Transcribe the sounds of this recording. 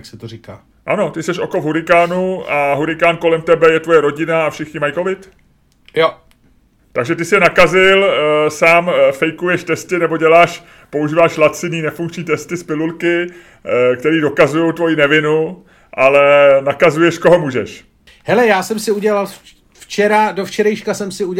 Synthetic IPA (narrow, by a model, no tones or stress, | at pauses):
jaksɛt̪orikaː | ʔa̰no̞t̪ɪsɛʃʔo̞ko̞vɦuɾɪkaːnuʔaɦuɾɪkaːnko̞lɛmt̪ɛbɛjɛt̪vo̞jɛɾo̞ɟɪnaafʃɪxɲɪmajko̞vɪt̪ | jo | t̪aɡʒɛt̪ɪsɪjɛnakazɪlsaːmfɛjkujɛʃt̪ɛst̪ɪnɛbo̞ɟɛlaːʃ | po̞uʒiːvaːʃlat͡sɪniːnɛfuŋkt͡ʃɲiːt̪ɛst̪ɪspɪlulkɪ | k̚t̪ɛɾiːdokazujo̞wt̪vo̞jinɛvɪnu | ʔalɛnakazujɛʃko̞ɦo̞muːʒɛ̰ʃ | hɛlɛjaːsɛmsɪuɟɛlalf | ft͡ʃɛɾadoft͡ʃɛɾɛjʃkasɛmsɪu